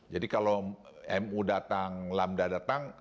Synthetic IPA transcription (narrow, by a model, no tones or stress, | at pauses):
d͡ʒadikalo | ɛmudat̪aŋlamdadat̪aŋ